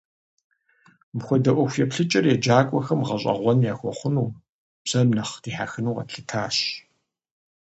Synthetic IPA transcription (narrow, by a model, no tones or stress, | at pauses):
mxʷɔdɐʔʷɔxʷjɛpɬɨt͡ʃʼɐrjɛd͡ʒaːkʷʼɔxɐmʁɐɕʼɐ̰ʁʷɔnjaːxʷɔχʷʊnuː | b̥z̥ɐmnɐχd̥iːħaxɨnuːʁɐ̰ɬɨtʰaːɕ